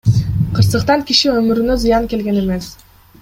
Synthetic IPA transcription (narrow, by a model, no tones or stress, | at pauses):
qʰɯɾsɯqt̪ɑŋkiʃiømyɾynø̞zɯjɑŋke̞lɡe̞ne̞me̞s